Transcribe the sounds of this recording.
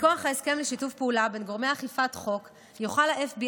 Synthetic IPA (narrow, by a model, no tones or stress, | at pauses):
koaχaeske̞mleʃitufpeulabe̞nɡo̞ʁmejaχifatχo̞k | juχalaʔefbi